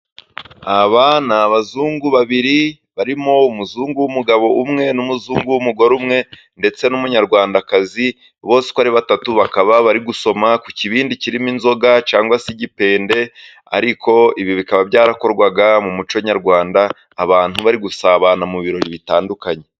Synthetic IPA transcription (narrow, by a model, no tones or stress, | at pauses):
aβanaːβazuːŋɡuβaβiɾi | βaɾimo̞umuzuːŋɡuwumuɡaβo̞ʔumŋe̞numuzuːŋɡuwumuɡo̞ɾumŋe̞ | nde̞t͡se̞numuɲaɾɡwaːndakazi | βo̞ːse̥koaɾiβatatuβakaβaβaɾiɡuso̞makuciβiːndiciɾiminzo̞ɡat͡ʃaːŋɡwasiɟipe̞ːnde̞ | a̰ɾikʰo̞iβiβikaβabɟaːɾako̞ɾɡwaɡamumut͡ʃoɲaɾɡwaːndaː | βaːn̥huβaɾiɡusaːβanamuβiɾo̞ɾiβitaːndukaɲe̞